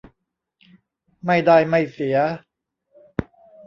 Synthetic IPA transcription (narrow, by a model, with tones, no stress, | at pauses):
ma˥˩jda˥˩jma˥˩jsi˩˦ɐ